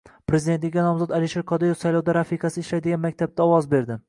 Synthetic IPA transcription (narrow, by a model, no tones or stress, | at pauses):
pɾe̞zid̪ent̪lɪkʲːanɒmzɒd̪alɪʃeɾqʰɒd̪ejofsajlɒwd̪aɾafiqasɪɪʃlajd̪ɪɡʲanmakʲt̪ʰab̚t̪aɒwɒzbe̞ɾd̪ɪ